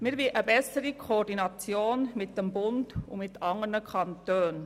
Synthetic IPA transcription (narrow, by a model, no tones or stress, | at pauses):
mɪɾbiʔəbɛsəɾikʰoːɾdinɑt͡sjoːnmɪt̚d̥ɛmbʊndʊ̰mɪtɑŋənəkʰɑntøːn